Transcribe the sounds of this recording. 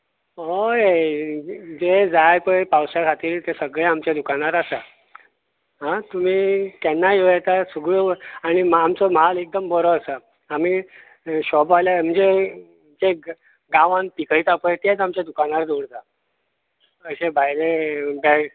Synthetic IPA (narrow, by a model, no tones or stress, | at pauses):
ɦoe | d͡zed͡zajpəpawsjakʰat̪iːɾt̪esəɡɭeamt͡ɕed̪ukañaɾasa | ɦãt̪um̤iːt̪ɛnːajoet̪asuɡɭoaɽ̃imamt͡sɔməɦalek̚d̪əmbəɾɔəsə | am̤iː | ɕɔpaljam̤əɳd͡ze | d͡ze | ɡãʋãnpikəjt̪apət̪ed͡zamt͡ɕed̪ukañaɾd̪oɽt̪a | əɕebʱajlebɛ